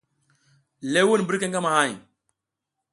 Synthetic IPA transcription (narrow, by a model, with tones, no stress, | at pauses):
le˦wu˦n˨bə˦ɾka˦ŋɡa˦ma˨ha˦˨j